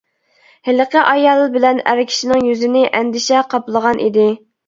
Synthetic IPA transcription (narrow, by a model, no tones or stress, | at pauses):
hɪləqəʔɑjɑlˠbɪlɛnæ̰ɾɪkʲʰi̥ʃinɪŋjyzɪnɪʔɛnd̪ɪʃɛqʰɑplˠəʁɑnʔḭd̪ɪ